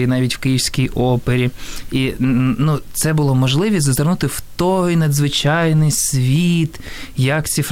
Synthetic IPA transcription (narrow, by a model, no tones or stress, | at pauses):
inɑʋʲitʲw̥kɪjiwsʲkʲijʔɔpeɾʲiinut̪sɛbʊlˠɔmɔʒlˠɪʋʲisʲzɐzɐrnut̪ɪwt̪ɔjnɐd̪zʋɪt͡ʃɑjnɪjsʲʋʲit̪ | jɐkt͡sʲif